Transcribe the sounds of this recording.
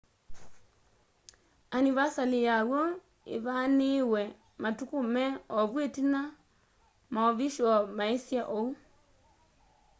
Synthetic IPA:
aniβasalijaɣwo | ḛβaniwɛ | matukumɛɔβwetina | maɔβiʃɔmaesjaʔou

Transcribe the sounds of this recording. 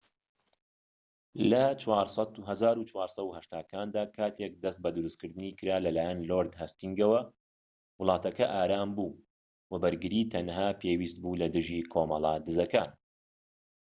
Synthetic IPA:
lɐt͡ʃʰwɑːɾsˤɑt̪uɦɐzaːɾut͡ʃwaːɾsˤɐwhɐʃt̪aːkaːnd̪aːkʰaːt̪ʰek̚d̪ɐst̪̚bɐd̪ɨɾuskɨɾd̪ɨnikɨɾaːlɐlaːjɛnloɾd̪hast̪iŋɡɐwɐ | wʊlˠɑːt̪ɐkɐʔaːɾaːmbuː | wɐbɐɾɡɨɾiːt̪ʰɐnɦaːpʰeːwiːst̪̚buːlɐd̪ɨʒiːkʰoːmɑlˠaːd̪ɨzɐkaːn

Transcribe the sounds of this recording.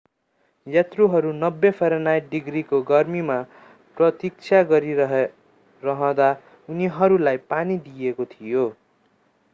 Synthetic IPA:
jat̪ruɦʌɾunʌbːepʰʌɾʌnajʈɖiɡrikoɡʌrmima | prʌt̪ik̚t͡sʰaɡʌɾiʌɦ | rʌɦʌ̃d̪a | uniɦʌɾulajpanid̪ijekot̪ʰijo

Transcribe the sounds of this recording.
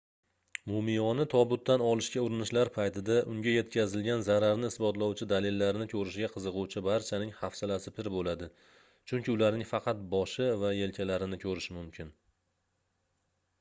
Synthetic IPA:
mʊmɪjɒnɪt̪ʰɒbʊt̪ʰːanɒlˠɪʃkʲaʊɾɪnɪʃlaɾpʰajt̪ʰɪd̪aʔʊŋɡʲaje̞t̪kʲʰazɪlɡʲanzaɾaɾnɪɪsbɒt̪lˠawt͡ʃʰɪd̪alɪlːaɾɪnɪkʲʰɵɾɪʃɡʲaqʰɨzɨqʊwt͡ʃʰɪbaɾt͡ʃʰanɪŋhafsalasɪpʰɪɾbolad̪ɪ | t͡ʃʰʊŋkʲɪʊlaɾnɪŋfɑqʰɑt̪̚bɒʃɪvaje̞lkʲʰalaɾɪnɪkʲʰɵɾɪʃɪmʊmkʲʰɪn

